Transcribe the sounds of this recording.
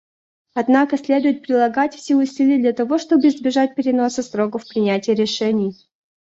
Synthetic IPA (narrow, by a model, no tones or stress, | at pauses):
ɐd̪nakəsʲlʲe̞d̪ʊjɪt̪̚pɾʲɪlˠɐɡatʲfsʲeʊsʲilʲɪjəd̪lʲɐt̪ɐvo̞ʂt̪o̞bɨɪzbʲɪʐat̚ʲpʲɪɾʲɪno̞səst̪ɾo̞kəfpɾʲɪnʲætʲɪjəɾʲɪʂɛnʲɪj